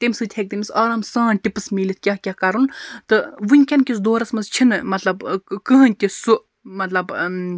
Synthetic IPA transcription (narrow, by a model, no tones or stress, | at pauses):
t̪emsɨt̪ʰʲhek̚d̪imʲisaːɾɐmsãːnʈʲipɨsmilʲit̪̚ʰkʲahkʲahkɐɾunt̪ɨʋɨnʲkʲɐnkʲisd̪oːɾɐsmɐst͡ʃʰinɨmɐt̪lɐbkɨɦɨnʲt̪ʲisuʔ | mɐt̪lɐb